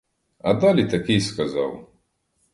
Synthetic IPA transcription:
ɐd̪alʲit̪ɐkʲijskɐzɑ̰w

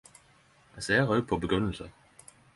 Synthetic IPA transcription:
æseːʁœd̪̚pʰɔbəɡʁɵnːəlsə

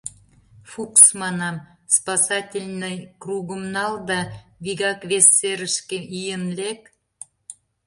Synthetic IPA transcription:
fuksmɑnɑmspɑsɑtʲilʲnəjkruɣəmnɑld̪ɑβiɣɑkβesːeɾəʃkeʔijənlek

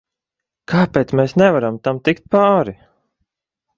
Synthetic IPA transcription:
kʰaːpɛt̪smɛːsnɛvaɾamt̪amt̪ikt̪̚paːɾi

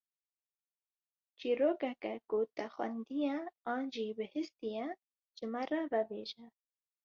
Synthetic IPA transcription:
t͡ʃiɾokakakot̪axwa̰nd̪ijaɑːnd͡ʒibəhɪst̪ija | t͡ʃəmaɾavabḛːʒa

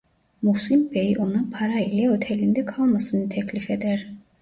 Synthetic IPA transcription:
musimbejʔo̞napʰaɾailʲɛøt̪ʰelʲind̪ɛkʰalˠmasɯnɯt̪ʰɛclʲifed̪æɾ̥

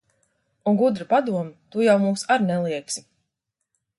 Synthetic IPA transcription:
unɡud̪ɾapad̪uɔmit̪ujawmuːsaɾnɛlˠiɛksi

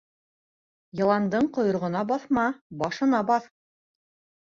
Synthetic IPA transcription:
jɤ̆lˠɑnd̪ɤɴqŏjŏɾʁɤ̆nɑbɑθmɑbɑʃɤ̆nɑbɑθ

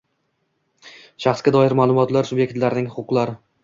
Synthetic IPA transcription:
ʃaχsɡʲad̪ɒɪɾmaːlˠʊmɒt̪laɾsubje̞kt̪laɾɪnɪŋhʊʊqlˠaɾɪ

